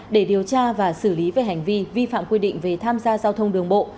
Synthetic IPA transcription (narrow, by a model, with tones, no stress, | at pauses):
ɗe˧˩ɗi˨˩əwt͡ɕaː˧vaː˨˩sɨ˧˩li˨˦ve˨˩ɦa˨˩jŋ̟vi˧vi˧fa̰ː˧˨mkwi˧ɗḭ˧˨ŋ̟ve˨˩t̪ʰaː˧mzaː˧zaː˧wt̪ʰə˧wŋ͡mɗɨ˨˩əŋɓo̰˧˨